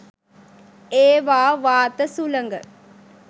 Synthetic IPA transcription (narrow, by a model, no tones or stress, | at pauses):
eːʋaːʋaːt̪əsuləŋɡə